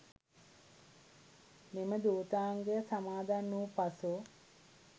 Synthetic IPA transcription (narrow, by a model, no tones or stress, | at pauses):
meməd̪uːt̪aːŋɡejəsamaːd̪anːuːpasu